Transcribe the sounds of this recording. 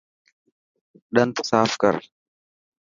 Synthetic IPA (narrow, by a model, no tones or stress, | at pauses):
ᶑɐnt̪ʊ̥saːfkɐ̰ɾ